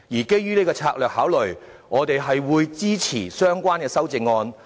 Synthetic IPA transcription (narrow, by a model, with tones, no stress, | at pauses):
jiː˨˩ke˥jːyː˥neː˥kɔː˧t͡sʰaː˧k̚lœː˨k̚haː˨˥wlɵ˨˩j | ŋɔː˨˧t̪e˨jɦɐ˨jwuː˨˧jt͡siː˥t͡sʰiː˨˩sœː˥ŋkʷaː˥nkɛː˧sɐ˥wt͡sɪ˧ŋːɔː˧n